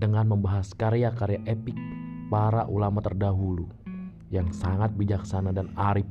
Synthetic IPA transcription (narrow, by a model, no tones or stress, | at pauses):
dəŋanməmbaɦaskaɾeakaɾeaʔepɪk̚paɾaʔulamat̪ərdaɦulu | jaŋsaŋat̪̚bid͡ʒaksanadanaɾip̚